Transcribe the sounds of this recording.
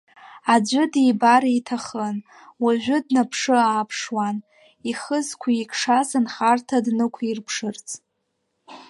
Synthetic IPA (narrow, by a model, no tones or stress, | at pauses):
ad͡ʒʷʊdibaɾitʰaχən | waʒʷᶣʊdnapʰʂɨaːpʰʂwan | iχəzkʷʰiikʰʂasɨnχartʰadnɨkʷʰairpʰʂɨrt͡sʼ